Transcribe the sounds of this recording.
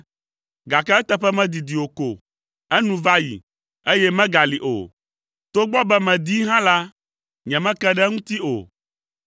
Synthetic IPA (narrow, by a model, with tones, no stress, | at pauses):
ɡa˨kɛ˦ɛ˦t̪ɛ˦ɸɛ˦mɛ̃˦d̪i˨d̪i˨wo˨ko˨ | ɛ˦nũ˨va˦jḭ˨ | e˦jɛ˦mɛ̃˦ɡa˨li˨ʔo̰˨ | t̪o˦ɡ͡bɔ˦bɛ˦mɛ̃˨d̪i˦ɦã˦la˦ | ɲɛ̃˨mɛ̃˦kɛ˦ɖɛ˦ŋũ˦t̪i˦o̰˨